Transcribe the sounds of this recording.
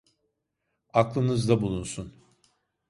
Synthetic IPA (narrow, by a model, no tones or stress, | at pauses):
aklˠɯnɯzd̪abulˠunsun